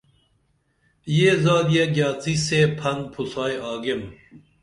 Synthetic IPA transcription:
jeːzaːd̪jɐɡjaːt͡siseːpʰɐnpʰusaːjaːɡem

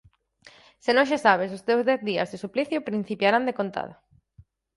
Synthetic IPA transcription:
sɪnõŋʃasaβ̞ɪs̬ost̪ewzðɛθðiɐ̰zɪsupliθjʊpɾĩn̟θipjaɾand̪ekont̪a̰ða

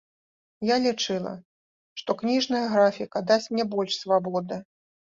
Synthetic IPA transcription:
jalʲit͡ʂɨlˠɐ̰ | ʂt̪ɔknʲiʐnɐjɐɣɾafʲikɐd̪asʲt͡sʲmnʲɛbɔlʲʂsvabɔd̪ɨ

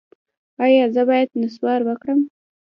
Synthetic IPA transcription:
ɑjɑzəbɑjad̪nɪswɑɾwəkɽəm

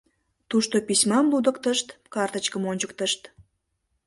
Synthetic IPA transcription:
t̪uʃt̪opisʲmɑmlud̪əkt̪əʃt̪kɑrt̪ət͡ɕkəmonʲt͡ɕəkt̪əʃt̪

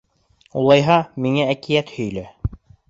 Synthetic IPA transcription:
ulˠɑjɦɑmiŋæækijæt̪hɵ̆jlæ

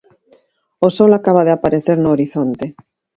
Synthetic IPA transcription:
osɔlakaβ̞aðeapaɾeθeɾnoːɾiθont̪e

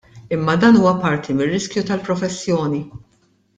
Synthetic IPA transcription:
ɪmːɐd̪ɐːnuːwɐpɐɾt̪ʰimɪrːɪskjut̪ɐlpɾɔfɛsːjɔːni

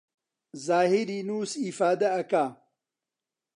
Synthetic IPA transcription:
zaːɦiɾinuːsifaːd̪ɐɐka

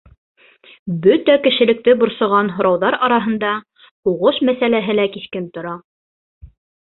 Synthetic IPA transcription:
bɵt̪ækɘ̆ʃɘ̆lɘ̆k̚t̪ɘbŏɾsɤ̆ʁɑnɦŏɾɑwðɑɾɑɾɑɦɤ̆nd̪ɑ | huʁɤʃmæsælæɦɘ̆lækiθkɘnt̪ŏɾɑ

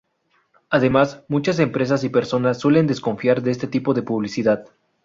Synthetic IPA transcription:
aðe̞masmũt͡ʃas̬e̞mpɾe̞s̬asipe̞ɾso̞nasːwe̞le̞nd̪e̞sko̞ɱfjaɾðeest̪e̞t̪ipo̞ðe̞puβ̞lisiðað

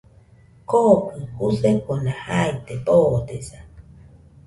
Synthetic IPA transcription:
kokɨhuseponahajt̪epoːt̪esa

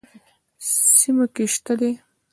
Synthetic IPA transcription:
simokeʃt̪ad̪e

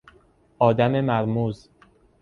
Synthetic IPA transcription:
ʔɒːd̪æmemæɾmuːz

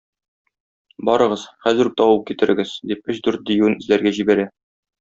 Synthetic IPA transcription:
bɒɾɤ̆ʁɤzχæzɘ̆ɾ̚t̪ɒwɤp̚kit̪ɘ̆ɾɘ̆ɡɘzd̪ip̚ɵɕd̪ʉɾt̪̚d̪ĭjuɘnɘ̆zlæɾɡæʑibæɾæ

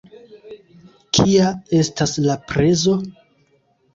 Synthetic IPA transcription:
kʰiae̞staslapɾe̞zo̞

